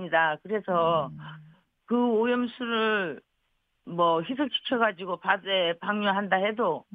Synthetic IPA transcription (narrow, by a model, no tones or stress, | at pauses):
idakɯɾe̞sʰʌ | kɯojʌmsʰuɾɯɭ | mwʌçis̬ʰɯt͡ɕʰi̥kʰjʌɡad͡ʑiɡopasepaŋɲuɦandahe̞do